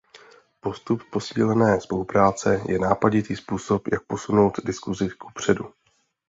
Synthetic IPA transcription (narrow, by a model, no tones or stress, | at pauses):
po̞st̪upːo̞siːlɛnɛːspo̞lupɾaːt͡sɛjɛnaːpaɟɪt̪iːspuːso̞pjʔak̚po̞suno̞wt̪dɪskuzɪkupr̝̥ɛdu